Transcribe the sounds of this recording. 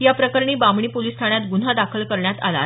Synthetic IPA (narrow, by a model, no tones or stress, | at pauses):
japɾəkəɾɳiːbamɳiːpolist̪ʰaɳjat̪ɡun̤ad̪akʰəlkəɾɳjat̪a̰la̰